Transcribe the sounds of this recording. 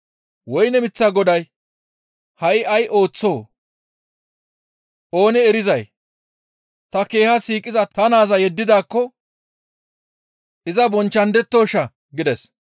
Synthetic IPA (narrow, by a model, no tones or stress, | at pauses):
wɔjnɛmɪt͡sːɐɡɔd̪ɐj | hɐʔɪʔɐjʔo̞ːt͡sːo̞ː | ʔo̞ːnɛːɾɪzɐj | t̪ɐke̞ːhɐsiːkʼːɪzɐt̪ɐnaːzɐjɛd̪ːɪd̪aːkːɔ | ʔɪzɐbɔnt͡ʃːɐnd̪ɛt̪ːoːʃɐ | ɡɪd̪ɛs